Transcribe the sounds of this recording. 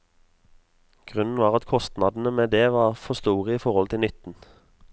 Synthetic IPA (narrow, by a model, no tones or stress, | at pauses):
ɡ̥ʁʉnn̩ʋɑːʁɑt̪kʰɔst̪nɑːd̪n̩əmeːd̪eːʋɑːʁfɔst̪uːʁəiːfɔʁhɔlt̪ʰɪlnʏt̪n̩